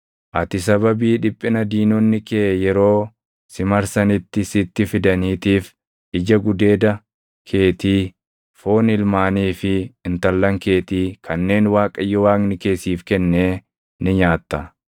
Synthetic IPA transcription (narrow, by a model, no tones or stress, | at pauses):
ʔɐt̪ɪs̬ɐbɐbiːᶑɪpʼːɪnɐd̪iːnonːɪkeːjɛɾo̞ː | sɪmɐɾsɐnɪt̪ːɪsɪt̪ːɪfɪd̪ɐniːt̪iːf | ʔɪd͡ʒɐɡʊd̪e̞ːd̪ɐ | kʰe̞ːt̪iː | fo̞ːnɪlmaːniːfɪːnt̪ɐlːɐŋke̞ːt̪iːkʰɐnːe̞ːnwaːkʼɐjːɔwaːŋnɪke̞ːsiːfkɛnːeː | nɪɲaːt̪ːɐ